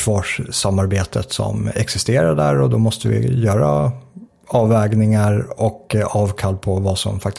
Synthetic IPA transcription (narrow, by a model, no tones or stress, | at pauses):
vɑːʂsamːaɾbeːt̪ʰət̪sɔ̰mɛksɪst̪eːɾaɖæɾɔd̪ɔmɔst̪əvɪ̰jœːɾa̰ | ɑːvɛːɡnɪŋaɾɔkɑːvkʰalːpʰɔvasɔ̰mfak̚t̪